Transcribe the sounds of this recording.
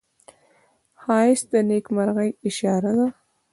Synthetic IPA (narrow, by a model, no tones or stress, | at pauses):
hɑɪsd̪ənekmaɾɣəjɪʃɑɾad̪a